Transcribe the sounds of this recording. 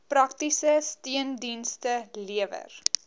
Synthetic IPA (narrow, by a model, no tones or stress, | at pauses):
prɐktisəstiəndinstəliəvə̰r